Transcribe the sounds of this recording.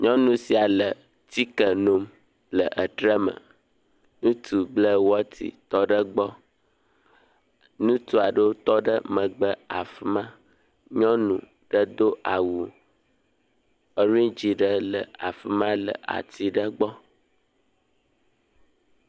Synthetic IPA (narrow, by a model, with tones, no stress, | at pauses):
ɲɔ̃˦nũ˨si˨a˨lə˨ | t̪i˦kə˨no˨m | lə˨ʔə˨ɖɾə˦mə̰̃˨ | nũ˦t̪u˨blə˦wɔ˦t̪ʰḭ˨t̪ɔ˦ɖə˦ɡ͡bɔ˦ | nũ˦t̪u˦a˨ɖo˦t̪ɔ˦ɖə˦mə̃˨ɡ͡bə˦a̰˨fi˦mã˦ | ɲɔ̃˦nṵ̃˨ | ɖ̥ə˦d̪o˦ʔa˨wu˨ | ə˨ɾĩ˦d͡ʒi˨ɖə˦lə̰˨a̰˨fi˦mã˦lə̰˨ʔa̰˨t̪i˦ɖə˦ɡ͡bɔ˦